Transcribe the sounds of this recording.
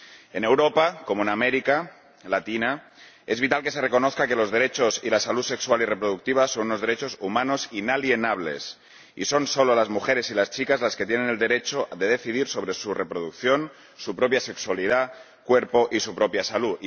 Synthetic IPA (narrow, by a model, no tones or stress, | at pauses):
e̞ne̞wɾo̞pako̞moenameɾika | lat̪ina | e̞zβit̪alkese̞re̞ko̞noθkake̞lo̞zðe̞ɾe̞t͡ʃo̞silasaluse̞kswalire̞pɾoð̞uk̚t̪iβ̞aso̞nuno̞zðe̞ɾe̞t͡ʃo̞sumãno̞sinalje̞naβ̞le̞̰s | ḭso̞nso̞lolazmuxe̞ɾe̞silast͡ʃikazlasket̪je̞nene̞ld̪e̞ɾe̞t͡ʃoðe̞ð̞e̞θið̞iɾso̞β̞ɾe̞surepɾoð̞ukθjo̞n | supɾo̞pjase̞kswaliða | kwe̞ɾpo̞ʔisupɾo̞pjasalu